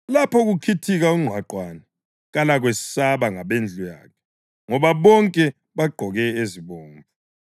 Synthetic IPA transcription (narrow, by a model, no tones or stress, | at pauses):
lapʰɔɣukʰitʰiɣauŋ͡ǀʱwaǃwanɛ | ɣalaɣ̬wessaβaŋaɓend͡ɮʱuja̰ːkʰɛ̥ | ŋɔβaβɔŋkʼɛ | βaɡ͡ǃʱɔɣɛeziβoːɱvʱu